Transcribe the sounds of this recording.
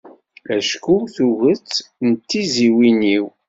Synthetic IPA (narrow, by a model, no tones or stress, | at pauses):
æʃkuθuʝət͡sːnət̪ːiziwiniw